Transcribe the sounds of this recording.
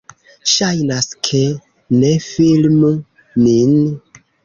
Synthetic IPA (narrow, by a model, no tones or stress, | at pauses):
ʃajnaskʰe | nefilmu | nin